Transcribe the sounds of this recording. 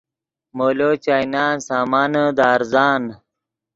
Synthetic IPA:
moːlot͡ɕainaːnsaːmaːnəd̪aːɾzaːn

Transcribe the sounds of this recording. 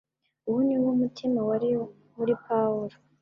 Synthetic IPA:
uhuniwumutʰimawaɾi | muɾipawuɾo

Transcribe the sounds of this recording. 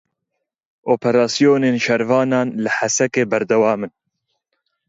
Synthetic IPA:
ʔoːpʰɛɾɑːsijoːneːnʃɛɾvɑːnɑːnlɨħasɛkeːbɐɾd̪ɛwɑːmɨn

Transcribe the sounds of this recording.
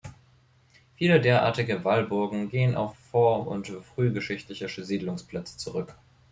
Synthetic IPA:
fiːlədeːɐʔa̰ːɐtɪɡəvalbʊɐɡŋ̩ɡeːəna̰ʊfːɔɐmʊ̰ntfʁ̥yːɡəʃɪçtlɪçəʃəziːdlʊŋspl̥ɛt͡sə̥t͡suʁʏk

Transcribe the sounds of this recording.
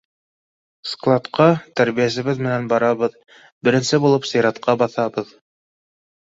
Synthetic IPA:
sklˠɑt̪qɑt̪æɾβijæs̬ɘ̆βɘðmɘ̆nænbɑɾɑβɤð | bɘ̆ɾɘ̆nsɘbulˠɤpsɤ̆jɾɑt̪qɑbɑθɑbɤð

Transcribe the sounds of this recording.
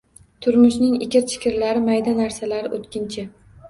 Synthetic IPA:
t̪ʰʊɾmʊʃnɪŋɪ̰kʲɪɾt͡ʃʰɪ̥kʲɪɾlaɾɪmajd̪anaɾsalaɾɪʔot̪kʲɪnt͡ʃʰɪ

